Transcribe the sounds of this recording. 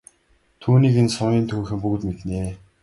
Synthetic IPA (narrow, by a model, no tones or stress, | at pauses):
t̪ʰuːniːkensɔŋʲiːnt̪ʰuːxɘ̆mpuɣ̆t̪met̪neː